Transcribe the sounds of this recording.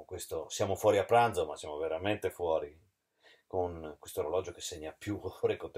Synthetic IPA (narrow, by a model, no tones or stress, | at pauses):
kwest̪osjaːmofwɔːɾiapːɾand̪zomasjaːmoveɾament̪efwɔːɾi | koŋkwest̪oeɾolɔd͡ʒokesːeɲːapjuɾekot̪